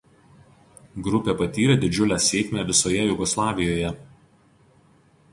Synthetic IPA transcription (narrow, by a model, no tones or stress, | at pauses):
ɡɾʊpʲepɐt̪ʲiːɾʲeːd̪ʲɪd͡ʒʲʊlʲæːsʲeːkʲmʲæʋʲɪsoːjɛjʊɡɔslˠɑːʋʲɪjoːjɛ